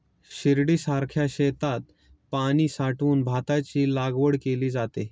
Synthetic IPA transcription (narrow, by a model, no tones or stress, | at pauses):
ɕiɾɽiːsaɾkʰjaɕet̪at̪̚ | paɽ̃iːsaʈuːnbʱat̪at͡ɕiːlaɡʋəɽkeliːd͡zat̪e